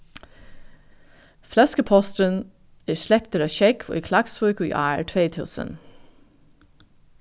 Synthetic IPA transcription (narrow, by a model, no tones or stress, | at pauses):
flœskəpʰɔst̪ən | æʃlɛpt̪əɾɑːçɛkʋo̰ːʔiːkʰlɑɡsfœːkʉḭːʔæːə̰ɹʈʰʋeːt̪ʰʉ̰ːsə̰n